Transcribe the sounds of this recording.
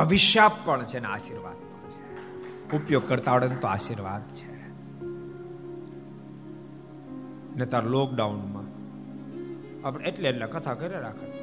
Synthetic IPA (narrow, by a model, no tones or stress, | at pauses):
bʱəʋɪʃjapːəɳt͡ʃʰeneaʃiɾʋa̰d̪̚pəɳɳt͡ʃʰe̥ | upjoɡ̚kəɾt̪aʋəɽenut̪oaʃiɾʋad̪t͡ʃʰe | net̪aɾolok̚ɖaunmã | apɽeʈleeʈlakət̪ʰakəɾaɾakʰət̪ʰa